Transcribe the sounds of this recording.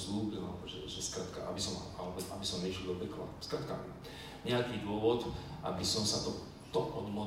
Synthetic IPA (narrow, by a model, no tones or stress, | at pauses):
zluːbila̰lɛbɔʒɛʒɛskɾat̪kaʔabisɔmaalɛbɛabisɔmnɛʃild̪ɔbɛkla̰skɾat̪ka | ɲɛakiːd̪ʊɔʋɔt̪ʔa̰bisɔmsat̪ɔ | t̪ɔʔɔd̪mɔɦ